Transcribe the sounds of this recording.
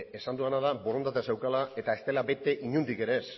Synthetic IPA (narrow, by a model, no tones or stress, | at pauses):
e̞sand̪uanað̞abo̞ɾo̞nt̪at̪̬ese̞wkalae̞t̪ae̞st̪e̞labe̞t̪e̞ʔiɲund̪ike̞ɾe̞s